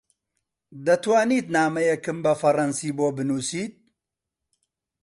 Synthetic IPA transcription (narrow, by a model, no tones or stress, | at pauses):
d̪ɐt̪waːniːt̪naːmɐjɛkɨmbɐfɐrɐnsiːboːbɨnuːsiːt̪̚